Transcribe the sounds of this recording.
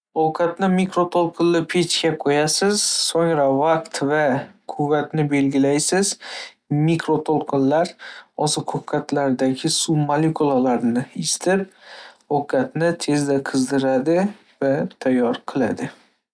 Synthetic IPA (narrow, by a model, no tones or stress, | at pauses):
owkʰat̪nɪmikɾot̪ʰolˠqʰɨnlɪpʰet͡ʃkʲaqʰojasɪz̥soŋɾavaqt̪vakʰʊvːat̪nɪbe̞lɡʲɪlajsɪz̥ | mikɾot̪ʰolˠqʰɨnlaɾɒzɨqʰokʰːat̪laɾd̪aɡʲɪsumalekulˠalaɾnɪɪst̪ʰɪp̚ | okʰat̪nɪt̪ʰe̞zd̪aqʰɨzd̪ɪɾad̪ɪ | vat̪ʰajːɒɾqʰɨlˠa̰d̪ɪ